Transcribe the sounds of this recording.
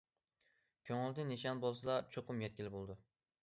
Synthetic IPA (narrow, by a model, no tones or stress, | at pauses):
kʲʰoŋɪlˠd̪ɪnɪʃanbolˠsɪlat͡ʃʰoqʰʊmjɛt̪̚kʲɪlɪbolˠd̪ɪ